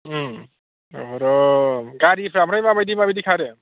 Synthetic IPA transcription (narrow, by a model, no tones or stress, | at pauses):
ɔɾɔɡaɾipʰɾamɾajmabajdimabidikʰaɾe